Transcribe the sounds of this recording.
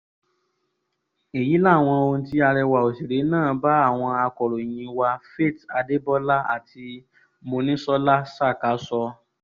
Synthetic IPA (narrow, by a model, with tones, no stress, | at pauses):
e˨ji˨˦la˦˨w̃ɔ̃˧o˧n̩˧ti˦a˧ɾɛ˧wa˨o˨si˨ɾe˨˦nãː˦˨ba˦a˦˨w̃ɔ̃˧a˧kɔ˨ɾo˨j̃ĩ˧wa˧fe˦˨ta˧de˦bɔ˦la˦a̰˦˨tʰi˧ | mo˧nĩ˦sɔ˦la˦sa˦˨ka˨˦sɔ˧